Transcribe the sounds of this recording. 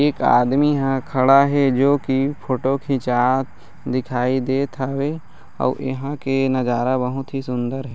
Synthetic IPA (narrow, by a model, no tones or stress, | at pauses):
eːka̰ːd̪miɦãkʰɐɽaɦɛd͡ʒoːkipʰoːʈokʰɪ̃t͡ʃaːt̪ | d̪ɪkʰaːid̪eːt̪ʰaʋe | ɔ̰ːɪ̰ɦãkenɐd͡ʒaːɾabəɦʊt̪ɦisʊ̃nd̪əɾɦɛ